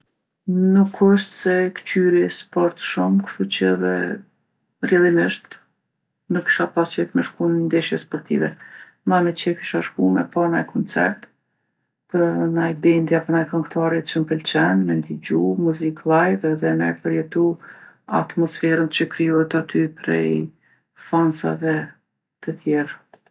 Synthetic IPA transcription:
nukʰəʃt̪sɛkt͡ʃyɾispɔɾt̪ʃumkt̪ut͡ɕəðɛ̰ | rjɛlˠimɪʃt̪ | nəki̥ʃapasɛt̪mɛʃkunnd̪ɛʃjɛspɔɾt̪ḭvɛ | mamɛt͡ɕɛkiʃaʃkumɛpanajkʰɔnt͡sɛ̰ɾt̪ | pənajbɛnd̪japənajkɔŋkt̪aɾit͡ʃəmpəlt͡ʃɛnmɛlid͡ʑumuziklˠajvɛðɛnajpəɾjɛt̪ua̰t̪mɔsfɛɾənt͡ɕəkɾijɔhɛt̪at̪ʰypɾɛ̰j | fansa̰vɛ | t̪ət̪ʰjɛɾ

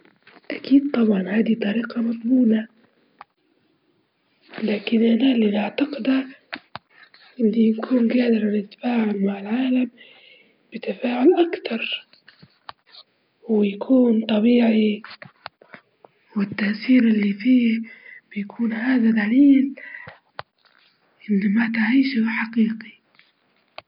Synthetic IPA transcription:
ʔakiːd̪̚t̪ˤɑbʕɑnhaːd̪it̪ˤɑɾiːqɑmʊt̪ˤbuːna | laːkɪnʔanalːinaʕt̪aqɪd̪a | ʔɪnːinkʰuːnɡaːd̪ɪɾˤanɪt̪ːḁfaːʕʊlmaʕɪlʕaːlam | bɪt̪ːafaːʕʊlʔakt̪ɑɾˤ | wɪjakʰuːnt̪ˤɑbiːʕi | wɪt̪ːaʔsiːɾʔɪlːifiːb̥ɪjakʰuːnhaːðad̪aliːl | ʔɪnːmat̪ɪʕiːʃʊħaqiːqi̥

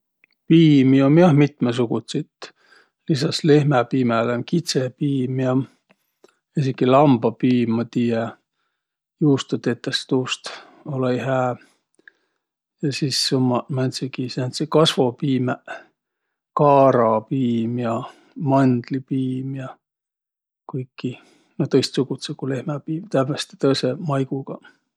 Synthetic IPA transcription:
piːmiomjɑhmit̪mes̬uɡut̪sit̪ | lisɑslehmɛpiːmelemkit̪sepiːmjɑ | esikːilɑmb̥ɑpiːmːɑt̪iːɛ | juːst̪ut̪et̪ːˑest̪uːst̪ | oleiɦæː | jɑsisːomːɑmɑnt̪sikisænt̪sikɑsvo̞piːme | kɑːɾɑpiːmjɑ | mɑnd̪̥lipiːmjɑ | kujkːi | not̪ɤjst̪suɡut̪sekule̞hmɑpiːmt̪æbest̪e̥t̪ɤsemɑjɡ̥uɡ̥ɑ

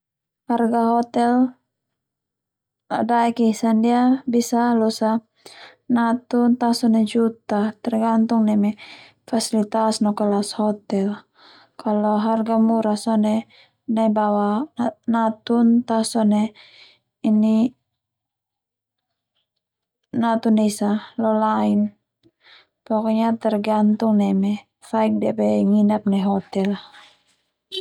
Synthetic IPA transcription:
harɡaɦɔt̪ɛl | ladaɛkisandiabisalɔsa | nat̪unt̪asɔnɛd͡ʒut̪at̪ɛrɡant̪uŋnɛmɛ | fasilit̪asnɔkalashɔt̪ɛl | kʰalɔɦarɡamuɾasɔne | nabawanat̪unt̪asɔnɛ | ini | nat̪unɛisalɔlain | pɔkɔɲat̪ɛrɡant̪uŋnɛmɛ | faik̚dɛpɛŋinap̚nɛɦɔt̪ɛl

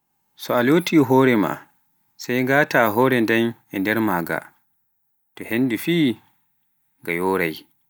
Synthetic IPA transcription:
sɔaloːtiɦɔːɾɛma̰ | sajŋɡaːtaɦɔːɾɛndɛnɛndɛɾmaːɡa̰ | tɔhenːdifiː | ŋɡajɔːɾaj

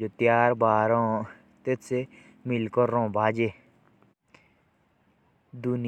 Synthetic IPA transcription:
d͡ʒoːt̪jaːɾbaːɾõː | t̪et̪ʰse | mɪlkəɾːõːbʱaːd͡ʒeː | d̪ʊn

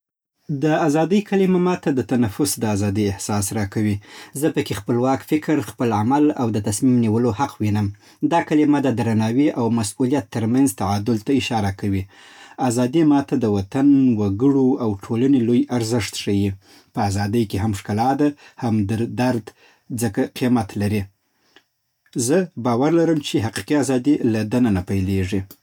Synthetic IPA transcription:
d̪əazɑd̪əjkʰalimamɑt̪ad̪ət̪anafʊsd̪əazɑd̪ijɪhsɑsɾɑkawizəpəkexpəlwɑkfɪkɾxpəlamalawd̪ət̪asmimniwəlohaqʰwinəm | d̪ɑkalimad̪əd̪ɾanɑwiʔawmasulijat̪ːəɾmanzt̪aʕɑd̪ʊlt̪aɪʃɑɾakawi | azɑd̪imɑt̪ad̪əwat̪anwaɡəɽoawʈʰolanelojaɾzəʂt̪ʂaji | pəazɑd̪əjkeɦamʂkalɑd̪ahamd̪əɾd̪aɾd̪ | d͡zəkaqimat̪laɾi | zəbɑwaɾlaɾəmt͡ʃeɦaqi̥qiazɑd̪ilad̪ananapajleʐi

